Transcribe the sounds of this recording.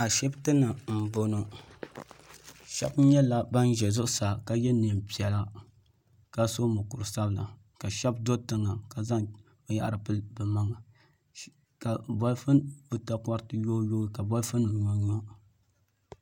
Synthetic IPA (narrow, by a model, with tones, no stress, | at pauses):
a˨ʃɛ˦btɨ˦nɨ˨m̩˨bo˨nɨ˨ | ʃɛ̰˦bɲɛ˦la˦ba˦n˦ʒɛ˨zʊ˦ʔsa˨ka˨jɛ˦ni˨mpi˨ɛ˨la˦ | ka˦so˦mo˨ku˨ɾɨ˨sa˦bla̰˨ | ka˨ʃɛ˦b̚do˦tɨ˦ŋa˨ka˨za˦ŋ | o˨ja̰˦ʔa̰˦ɾɨ˨pɨ˦lbɨ˨ma˦ŋa˨ | ka˨bɔ˦lfɨ˦nbɨ˦ta˦kʷa˦ɾtɨ˦jo˦jo˦i˦ka˨bɔ˦lfɨ˦nbɨ˨ɲɔ˦ɲɔ˦